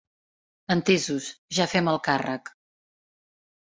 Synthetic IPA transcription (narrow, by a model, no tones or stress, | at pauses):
ənt̪ezuzʒafɛməlˠkarək